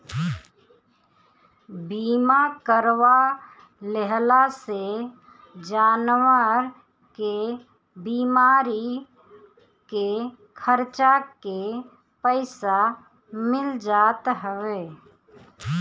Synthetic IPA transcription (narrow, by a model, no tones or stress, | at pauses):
biːmakəɾʋa | leɦlase | d͡ʒaːnwəɾ | ke | biːmaːɾi | ke | kʰəɾt͡ʃake | pəɪsa | mɪld͡ʒaːt̪ɦəweː